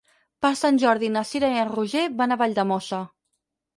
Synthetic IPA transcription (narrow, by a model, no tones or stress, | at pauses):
pəɾsanʲʒɔɾðinasiɾaiənruʒeβanaβaʎʲd̪əmɔsə